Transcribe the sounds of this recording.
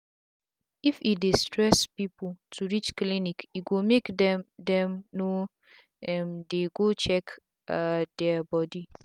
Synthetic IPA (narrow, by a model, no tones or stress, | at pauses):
ifidestɹɛspipʊltʰuɹit͡ʃklinikiɡomekdɛdɛ̃mno | ɛmdeɡot͡ʃɛk | adɛbɔdi